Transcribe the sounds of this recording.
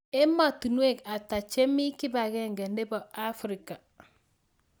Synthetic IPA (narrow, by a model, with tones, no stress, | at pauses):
e˦ma˨tu˨nu˦e˦˨ka˨ta˨t͡ʃe˦mi˦ki˦ba˨ɡɛ˦ŋɡɛ˨nde˦bɔ˨a˦fɾi˨ka˨